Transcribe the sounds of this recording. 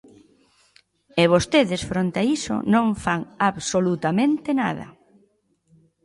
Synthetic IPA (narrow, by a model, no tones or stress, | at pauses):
eβ̞ost̪eðɪsfɾont̪eaiso̰nõŋfaŋaβsolut̪amẽnt̪ena̰ðɐ̰